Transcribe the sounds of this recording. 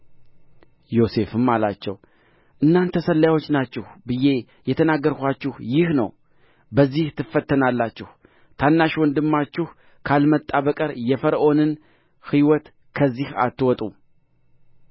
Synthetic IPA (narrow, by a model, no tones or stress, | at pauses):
jo̞se̞fɨmalat͡ʃːɛ̰w | ʔɨnːant̪ʰəsəlːjawo̞t͡ʃːnat͡ʃːɪhbɨje̞ | jɛt̪ʰənaɡːəɾkʷat͡ʃːɪhjɪhnə̰w | bəzːiht̪ʰɨfːət̪ʰːənalːat͡ʃːɪh | t̪ʰanːaʃwɔnd̪ɨmːat͡ʃːɪh | kʰalmət̪ʼːaβəkʼəɾjɛfəɾʔo̞nɨn | hiwɔt̪ | kʰəzːiha̰t̪ːɨwɔt̪ʼu